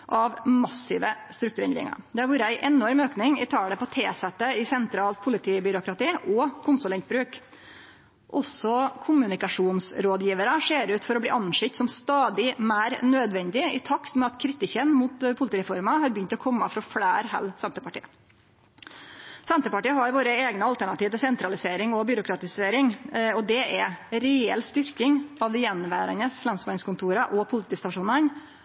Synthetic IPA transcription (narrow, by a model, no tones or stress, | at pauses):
ʔɑʋmɑsɪʋəst̪ɾʉk̚t̪ʉɾɛnɾɪ̰ŋɑ̰ɾd̪ɛhɑɾʋuːɾəæɪʔɛnɔɾmøːknɪŋɪ̰t̪ʰɑːɽəpʰɔt̪ʰeːsɛt̪əɪsɛnt̪ʰɾɑːlt̪̚pʰʊlɪt̪ʰiːbʏɾʊkɾɑt̪iːʔɔkʰʊnsʊlɛnt̪̚bɾʉːk | ʔɔsɔkʰʊmʉnɪkɑʂuːnsɾoːd̪jiːʋəɾəʂeːɾʉːt̪fɔɾɔblḭːʔɑnʂɪkt̪sɔmst̪ɑːd̪ɪmæːɾnøːd̪ʋɛnd̪ɪɪt̪ʰɑkt̪mɛɑt̪kʰɾɪt̪ɪçənmuːt̪pʰʊlɪt̪iːɾɛfɔɾmɑhɑɾbjʏnt̪ɔkʰɔmːəfɾɔfɽæːɾhɛ̰lsɛnt̪əɾpɑʈḭːə | sɛnt̪əɾpɑʈiːəɦɑɾʋoːɾəeːɡnəɑlt̪æɳɑt̪iːʋət̪ɪsɛnt̪ɾɑlɪseːɾɪŋɔbʏɾʊkʰɾɑt̪ɪseːɾɪŋɔd̪ɛʔɛɾɛɛ̰lst̪ʏɾkɪŋɑʋd̪ɛjɛnːʋæ̰ːɾənəsflɛnsmɑɪnskʊnt̪ʰuːɾəʔɔpʰʊlɪt̪ʰiːst̪ɑʂuːnən